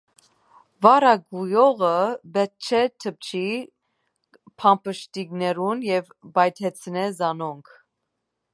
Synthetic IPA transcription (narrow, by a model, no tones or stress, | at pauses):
vɑɾɑɡujɔʁəbɛt̪̚t͡ʃʰɛt̪ʰəp̚t͡ʃʰi | pʰɑmpʰəʃt̪iɡnɛɾunjɛvbɑjt̪ʰɛt͡sʰnɛzɑnɔŋkʰ